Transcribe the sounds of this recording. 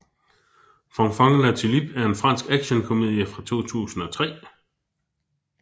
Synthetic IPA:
fɑŋfɑŋlæt͡sʰilib̥æɐe̝nfʁɑ̈n̰sɡ̥æɡ̥ɕənkʰome̝ðˠjəfʁɑ̈t͡sʰo̝̰ːt͡sʰṵːsn̩ɒ̽t͡sʰʁɛ̰ː

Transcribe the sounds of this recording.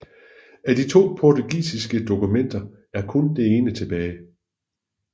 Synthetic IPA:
æd̥it͡sʰo̝̰ːpʰɒt͡sʰuɡ̥ḭːsisɡ̥əd̥o̝kumen̰d̥ɐ | æɐkʰɔ̽nd̥e̝e̝ːnət͡sʰe̝b̥ɛːɪ

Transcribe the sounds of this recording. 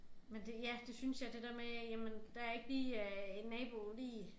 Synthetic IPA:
mend̥ejæd̥e̝synsjɑ̈d̥e̝d̥eɐmejæmənd̥ææɐe̝ɡ̥liːennːɛːb̥o̝liː

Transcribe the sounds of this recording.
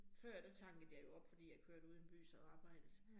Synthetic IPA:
fɶɐ̰d̥æt͡sʰɑ̈ŋ̰ɡ̥əð̩ˠjɑ̈ɪjo̝ɒ̽b̥fɒd̥ḭːjɑ̈ɪkʰøɐ̰ɾ̥uðˠnb̥y̰ːsɑ̈ːb̥ɑ̈ɪ̰d̥ð̩ˠ

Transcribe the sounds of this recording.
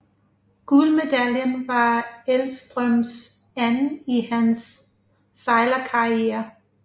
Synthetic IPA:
ɡ̥ulme̝d̥æljənʋɑ̈elsd̥ʁœmsæn̩ihænsː | ɑɪlɐkʰɑ̈ieːɐ

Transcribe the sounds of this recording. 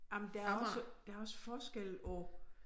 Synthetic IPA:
jamənd̥eæɐæɐɒsəd̥eæɐɒ̽sə̥fɒːsɡ̥el̰ɒ

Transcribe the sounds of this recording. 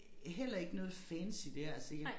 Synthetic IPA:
ɦel̰ɐe̝ɡ̥nɔ̽ːð̞̩ˠfænsid̥eɐælskæ

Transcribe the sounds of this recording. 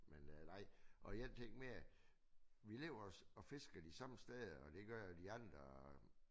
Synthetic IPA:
mennɑ̈ɪ̰ʔɒ̽iden̰t͡sʰeŋ̰ɡ̥meæ | ʋile̝̰ːʊɐsɒ̽fe̝sɡ̥ɐd̥isɑ̈məsd̥eðˠɒ̽d̥e̝ɡ̥ɶɐjd̥iɑ̈nd̥ʁɐ

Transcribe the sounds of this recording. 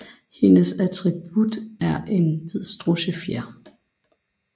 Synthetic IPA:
he̝nəsæt͡sʰʁib̥ud̥æɐʔe̝nʋeð̰ˠsd̥ʁoɕəfjæɐ̰

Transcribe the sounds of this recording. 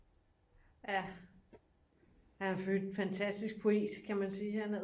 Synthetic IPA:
æ | æɐhænfføld̥fænt͡sʰæsd̥isɡ̥̚pʰo̝e̝̰ːd̥kʰæmænsiːhænæ

